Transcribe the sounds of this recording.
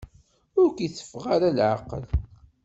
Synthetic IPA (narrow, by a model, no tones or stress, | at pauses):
ʊɾkjθə̥fʁaɾalʕa̰qə̰l